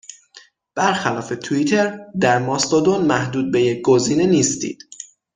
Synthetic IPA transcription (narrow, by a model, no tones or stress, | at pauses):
b̥æɾxælɒːfe̞t̪ʰuit̪ʰe̞ɾd̪æɾmɒst̪od̪onmæhd̪uːd̪̚be̞jec̚ʰɡ̥oziːne̞niːst̪ḭːd̪̥